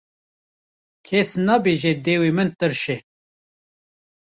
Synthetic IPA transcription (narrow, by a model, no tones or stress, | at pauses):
kʰɛsnɑːbeːʒed̪eːwimɨnt̪ɨɾʃe